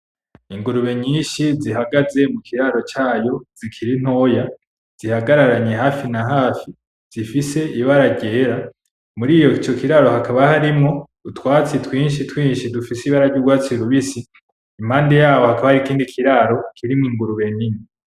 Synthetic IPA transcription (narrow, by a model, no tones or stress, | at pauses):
iŋɡuɾuβe̞ɲiːnʃizihaɡaze̞mukʰiɾaɾo̞t͡ʃaːjo̞zikʰiɾin̥ho̞ːja | z̥ihaɡaɾaɾaɲehaːfinaɦaːfi | z̥ifise̞ʔiβaɾaɡɟe̞ːɾa | muɾiːjo̞t͡ʃo̞kiɾaɾo̞hakaβahaɾimŋo̞dutwaːt͡sitwiːnʃ̬itwiːnʃidufisiβaɾaɟuɡwaːt͡siɾuβisiː | maːnde̞jaːwo̞hakaβahaɾikiːndikʰiɾaɾo̞kʰiɾimiŋɡuɾuβe̞ɲiɲi